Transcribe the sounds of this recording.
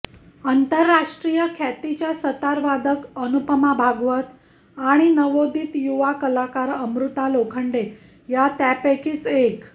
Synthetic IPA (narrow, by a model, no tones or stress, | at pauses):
ənt̪əɾːaʂʈɾijəkʰæt̪it͡ɕjasət̪aɾʋad̪əkənupəmabʱaɡʋət̪ | aɽ̃inəʋod̪iːt̪juʋakəlakaɾəmɾut̪alokʰəɳɖe | jat̪apekiːt͡sek